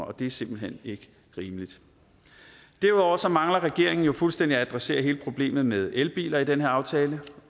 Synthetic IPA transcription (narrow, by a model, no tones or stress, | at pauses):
ɒ̽d̥e̝æɐse̝m̰b̥l̩ɦen̰e̝ɡ̥ə | ʁiːməlid̥ | d̥æɐuðˠɒ̰ɐsɒ̽mɑ̈ŋlɐʁɛɡ̥e̝ɐe̝ŋn̩jo̝fulsd̥endiææd̥ʁɑse̝̰ːɐɦe̝ːləpʰʁo̝b̥le̝̰ːmð̞̩ˠmeð̞ˠelb̥ḭːlɐid̥enheɐɑ̈ʊt͡sʰɛːlə